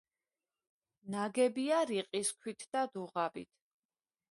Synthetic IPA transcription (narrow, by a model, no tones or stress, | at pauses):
naɡɛbiaɾiqʼiskʰwit̪ʰd̪̥ad̪uʁabḭt̪ʰ